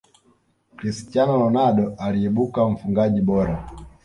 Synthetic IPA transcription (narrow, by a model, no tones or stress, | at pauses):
kɾisi̥t͡ʃanɔlɔnaɗɔʔaliɛɓukam̩fuŋɡaʄiɓɔɾa